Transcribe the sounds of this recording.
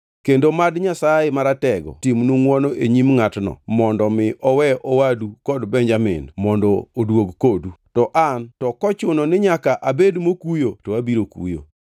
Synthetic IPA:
kendomadɲasajemaɾatɛɡɔ̰timnuŋwɔnɔʔeɲimŋatnɔ̰mɔndɔmɪʔɔwɛʔɔwadukɔdbɛɲd͡ʒamɪ̰ndmɔndɔodwoɡkodutɔʔantɔkɔt͡ʃʊnɔnɪɲakaʔabedmokujotowabiɾokṵjo̰

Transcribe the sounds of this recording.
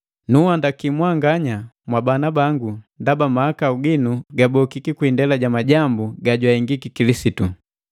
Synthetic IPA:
nuhandakimwaŋɡaɲa | mwabanabaŋɡundabamaakauɡinuɡabɔkikikwindɛlaɟamaɟambuɡaɟwaɛŋɡikikilisitu

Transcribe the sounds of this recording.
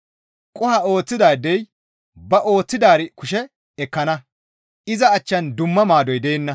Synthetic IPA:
kʼʊhɐo̞ːt͡sːɪd̪aːd̪ːɛj | bɐʔo̞ːt͡sːɪd̪aːɾɪkʊʃɛ | ɛkːɐnɐ | ʔɪzɐːt͡ʃːɐnd̪ʊmːɐmaːd̪ɔjd̪e̞ːnːɐ

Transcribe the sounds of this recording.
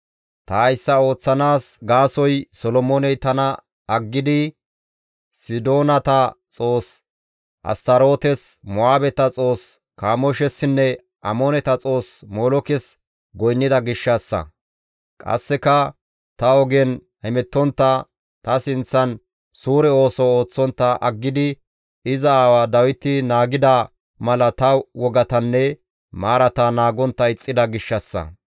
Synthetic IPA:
t̪ɐɐjsːɐo̞ːt͡sːɐnaːsɡaːsɔjsɔlɔmoːnɛjt̪ɐnɐ | ɐɡːɪd̪ɪ | sɪd̪o̞ːnɐt̪ɐt͡sʼo̞ːs | ʔɐ̰st̪ɐɾo̞ːt̪ɛsmɔaːbɛt̪ɐt͡sʼo̞ːs | kaːmɔʃɛsːɪnːɛ | ʔɐmonɛt̪ɐt͡sʼo̞ːsmoːlɔkɛs | ɡɔjnːɪd̪ɐɡɪʃːɐsːɐ̰ | kʼɐ̰sːɛkɐ | t̪ɐɔɡɛn | hɛmɛt̪ːɔnt̪ːɐ | t̪ɐsɪnt͡sːɐn | suːɾɛo̞ːsɔoːt͡sːɔnt̪ːɐʔɐɡːɪd̪ɪ | ɪzɐaːwad̪ɐwɪt̪ːɪnaːɡɪd̪a | mɐlɐt̪ɐwɔɡɐt̪ɐnːɛ | maːɾɐt̪anaːɡɔnt̪ːɐɪt͡sʼːɪd̪ɐɡɪʃːɐsːɐ̰

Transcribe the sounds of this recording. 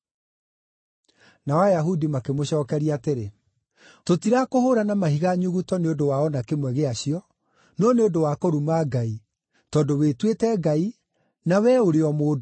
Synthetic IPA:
nawajaɦudimakemoɕɔːkɛɾiateɾe | totiɾakohoɾanamahiɣaɲuɣutɔneodowaɔnakemwɛɣeaɕiɔ | nɔneodowakoɾumaɡai | tɔdowetwetɛɡai | nawɛoɾeɔmoːdo

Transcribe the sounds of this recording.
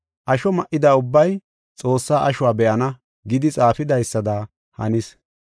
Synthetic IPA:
ʔɐʃɔmɐʔɪd̪aːʊbːɐj | t͡sʼo̞ːsːaːʔɐʃʊwaːbɛʔɐnɐ | ɡɪd̪ɪt͡sʼaːfɪd̪ɐjsːɐd̪aː | hɐ̰nɪs

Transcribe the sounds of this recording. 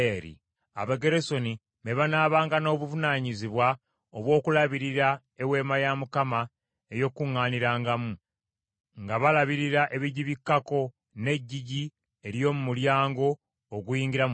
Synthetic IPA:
eɾḭ | a̰βaɡe̞ɾeso̞ni | meβanaːβaːŋɡano̞ːβuvunaːɲiziβwa | oβwo̞ːkulaβiɾiɾa | ewe̞ːmajamukama | ejo̞kuŋːaːniɾaːŋɡamu | ŋɡaβalaβiɾiɾaʔe̞βiɟiβikːako̞ | ne̞ɟːiɟi | e̞ɾjo̞ːmumuljaːŋɡo̞ː | ɡujiːŋɡiɾam

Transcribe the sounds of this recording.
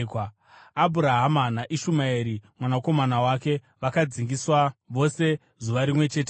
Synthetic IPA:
k | abʱuɾaɦamanaʔiʃumaeɾimwanako̞manawake̞ | ʋakad͡ziŋɡiswaʋo̞se̞ | zuʋaɾimwe̞t͡ʃe̞ːt̬e

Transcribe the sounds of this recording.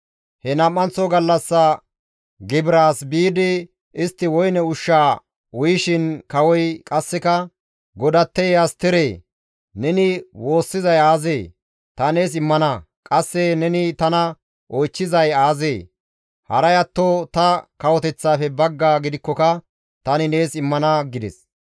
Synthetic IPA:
hɛnɐmːɐnt͡sɔɡɐlːɐsːɐ | ɡɪbɪɾaːsbiːd̪ɪ | ʔɪst̪ːɪwɔjnɛʊʃːaː | wʊjʃɪnkɐwɔjkʼɐsːɛkɐ | ɡɔd̪ɐt̪ːɛjjɐst̪ɪɾeː | nɛnɪwo̞ːsːɪzɐjaːze̞ː | t̪ɐne̞ːsɪmːɐnɐ | kʼɐsːɛnɛnɪt̪ɐnɐ | ʔɔjt͡ʃːɪzɐjaːzeː | hɐɾɐjɐt̪ːot̪ɐkɐwɔt̪ɛt͡sːaːfɛbɐɡːaːɡɪd̪ɪkːɔkɐ | t̪ɐnɪne̞ːsɪmːɐnɐɡɪd̪ɛ̰s

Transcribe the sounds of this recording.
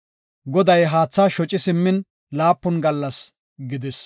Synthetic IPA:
ɡɔd̪ɐjɦaːt͡sːaʃɔt͡ʃʼːɪsɪmːɪn | laːpːɔnɡɐlːɐs | ɡɪd̪ɪs

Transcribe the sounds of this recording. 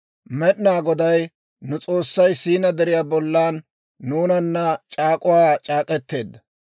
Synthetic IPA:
mɛɗnaːɡɔd̪ɐj | nʊt͡sʼo̞ːsːɐjsiːnɐd̪ɛɾɪjaːbɔlːaːnː | uːnɐnːɐt͡ʃʼaːkʼʊwaːt͡ʃʼaːkʼɛt̪ːe̞ːd̪ːɐ

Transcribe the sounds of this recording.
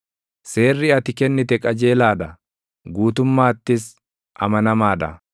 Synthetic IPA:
se̞ːrːɪɐt̪ɪkɛnːɪt̪ɛkʼɐd͡ʒeːlaːd̪ɐ | ɡuːt̪ʊmːaːt̪ːɪs | ʔɐ̰mɐnɐmaːd̪ɐ̰

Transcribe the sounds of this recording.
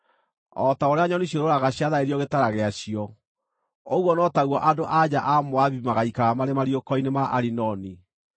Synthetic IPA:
ɔtaoɾeaɲɔniɕioɾoɾaɣaɕiaðaeɾiɔɣetaɾaɣeaɕiɔ | oɣwɔnɔtaɣwɔʔadoʔad͡ʑaʔamoaβimaɣaikaɾamaɾemaɾiokɔinemaʔaɾinɔni

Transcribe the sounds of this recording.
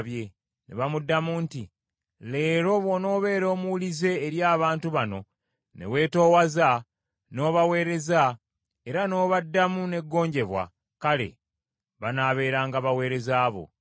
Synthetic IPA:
βje̞ | ne̞̰βamudːamunti | le̞ːɾo̞βo̞no̞ːβe̞ːɾo̞ːmuwulize̞ːɾjaːβaːntuβano̞̰ | ne̞̰we̞ːto̞ːwaza | no̞ːβawe̞ːɾe̞za | eɾano̞ːβadːamune̞ɡːo̞ːɲɟe̞βwa̰ | kale̞̰ | βanaːβe̞ːɾaːŋɡaβawe̞ːɾe̞zaːβo̞̰

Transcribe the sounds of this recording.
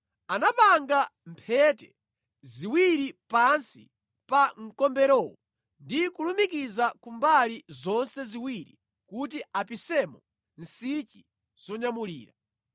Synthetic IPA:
anapaŋɡampʰɛtɛ | ziwiɾipansi | paŋ̩kɔmbɛɾɔwɔ | ndikulumikizakumbalizɔnsɛziwiɾi | kutiʔapisɛmɔ | n̩sit͡ʃi | z̥ɔɲamulḭːɾa

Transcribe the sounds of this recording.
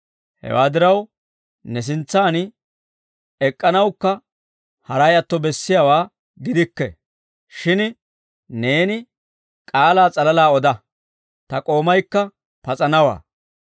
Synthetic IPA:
hɛ̰wa̰ːd̪ɪɾɐw | nɛs̬ɪnt͡sːaːn | ɛkʼːɐnɐwkːɐ | hɐɾɐjɐt̪ːɔbɛsːɪjawaː | ɡɪd̪ɪkːɛ̰ | ʃɪn | ne̞ːnɪ | kʼaːlaːt͡sʼɐlɐlaːɔd̪ɐ | t̪ɐkʼo̞ːmɐjkːɐ | pɐt͡sʼɐnɐwa̰ː

